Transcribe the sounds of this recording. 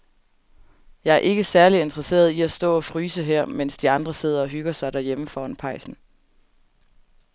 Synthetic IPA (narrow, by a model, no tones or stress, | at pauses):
jɑ̈ɪæɐʔe̝ɡ̥əsæɐlie̝nd̥ʁɐse̝̰ːɐð̞ˠiæsd̥ɔ̰̽ːɒ̽fʁyːsəɦeɐ̰men̰sd̥iɑ̈nd̥ʁɐse̝ð̞̰ˠɐɒ̽ɦyɡ̥ɐsɑ̈ɪd̥æɐjeməfɒːnpʰɑ̈ɪsn̩